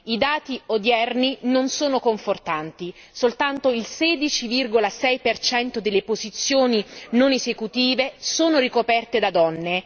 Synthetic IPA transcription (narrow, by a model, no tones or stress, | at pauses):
id̪aːt̪iod̪jɛrninonsoːnokoɱfort̪ant̪i | solt̪ant̪oilsɛːd̪it͡ʃivirɡolasɛjpert͡ʃɛnt̪od̪elːepozit̪sːjoːninonezekut̪iːvesoːnorikopɛrt̪ed̪ad̪ɔnːe